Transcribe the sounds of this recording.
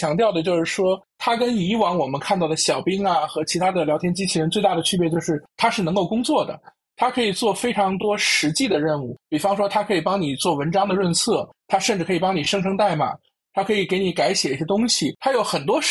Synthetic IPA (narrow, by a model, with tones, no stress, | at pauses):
t͡ɕjɑ˧˥ŋt̪jɑ˥˩ʊd̪ə˩t͡ɕjo˥˧ʊʂɻ̩˥˩ʂwɔ˥t̪ʰa˥kə˥n˧i˧˥wɑ˧˥ŋwɔ˨˩mə˦nkʰa˥˧nt̪ɑ˥˩ʊd̪ə˩ɕjɑ˨˩ʊpi˥ŋɐ˨xɤ˧˥t͡ɕʰi˧˥t̪ʰa˥d̪ə˨ljɑ˧˥ʊjɛ˥nt͡ɕi˥t͡ɕʰi˧˥ɻə˧˥nt͡swe˥˧ɪt̪a˥˩d̪ə˩t͡ɕʰy˥jɛ˥˧t͡ɕjo˥˧ʊʂɻ̩˥˩t̪ʰa˥ʂɻ̩˥˩nɤ˧˥ŋko˥˩ʊkʊ˥ŋt͡swɔ˥˩d̪ə̰˩ | t̪ʰa˥kʰɤ˧˥i˨˩t͡swɔ˥˩fe˥ɪʈ͡ʂʰɑ˧˥ŋt̪wɔ˥ʂɻ̩˧˥t͡ɕi˥˩d̪ə˩ɻə˥˧nu˥˩pi˨˩fɑ˥ŋʂwɔ˥t̪ʰa˥kʰɤ˧˥i˨˩pɑ˥ŋni˨˩t͡swɔ˥˩wə˧˥nʈ͡ʂɑ˥ŋd̪ə˨ɻə˥˧nsʰɤ˥˩ | t̪ʰa˥ʂə˥˧ʈ͡ʂɻ̩ʰ˥˩ɤ˧˥i˨˩pɑ˥ŋni˨˩ʂɤ˥ŋʈ͡ʂʰɤ˥ŋt̪a˥˩ɪma̰˨˩ | t̪ʰa˥kʰɤ˧˥i˨˩ke˧˥ɪni˧˥ka˧˥ɪɕjɛ˨˩i˥˩ɕɛ˥t̪ʊ˥ŋɕi˨t̪ʰa˥jo˧˥ʊxə˨˩nt̪wɔ˥